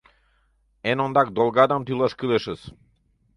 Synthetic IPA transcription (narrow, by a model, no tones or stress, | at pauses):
ɛnɔnd̪ak̚d̪ɔlˠɡad̪amt̪ʰilˠaʃkilɛʃəs